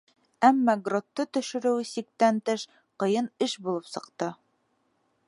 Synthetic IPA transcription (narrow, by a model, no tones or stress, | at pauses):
æmːɑɡrot̪ːɤt̪ɵ̆ʃɘ̆ɾɘ̆wsik̚t̪ænt̪ɤʃ | qɤ̆jɤnɘʃbulˠɤpsɤ̆qt̪ɤ